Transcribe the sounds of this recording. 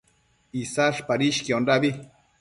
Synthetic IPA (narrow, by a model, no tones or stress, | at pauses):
isaʂpaɾiʃkiondabi